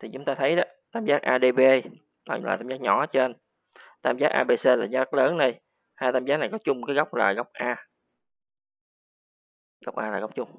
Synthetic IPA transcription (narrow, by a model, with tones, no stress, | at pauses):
t̪ʰi˨˩t͡ɕʊ˨˦ŋ͡mt̪aː˧t̪ʰə˨˦jɗɔ˨˦t̪aː˧mzaː˨˦ʔaː˧ɗe˧ɓe˧ | n̰ː˨˧˩la̰ː˨˩t̪aː˧mzaː˨˦˥ɲɔ̰˧˩˦t͡ɕe˧n | t̪aː˧mzaː˨˦˥ʔa̰ː˧ɓe˧se˧laː˨˩ɲa˨˦a˦˥ləː˨˦nna˨˩j | haː˧jt̪aː˧mzaː˦na˨˩jkɔ˨˦t͡ɕʊ˧ŋ͡mkaː˨˦jɣa˦˥wk͡p̚laː˨˩jɣə˦˥wk͡p̚ʔaː˧ | ɣa˦˥wk͡p̚ʔa̰ː˧laː˨˩ɣwk͡p̚t͡ɕʊ˧ŋ͡m